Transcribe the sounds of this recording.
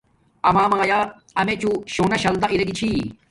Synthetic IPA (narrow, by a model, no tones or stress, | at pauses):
ɐmaːmaːjaː | ɐmet͡ɕuɕoːnɐɕɐld̪ɐʔiɾɐɡit͡ɕʰi